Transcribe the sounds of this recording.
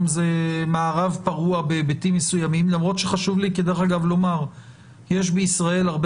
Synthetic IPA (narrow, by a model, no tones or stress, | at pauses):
mzemaːʁavpaʁuabebitimːesujamimlamʁo̞t̪ʃeχaʃuvlikid̪e̞ʁeχaɡavlo̞maʁ | jeʃ̬beisʁae̞laʁb